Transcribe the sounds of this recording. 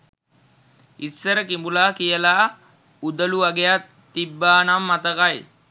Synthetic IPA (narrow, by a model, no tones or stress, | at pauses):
isːɐɾɐkimbulaːkijɐlaː | ud̪ɐluɐɡɛjat̪ːibːaːnɐmːɐt̪ɐkɐj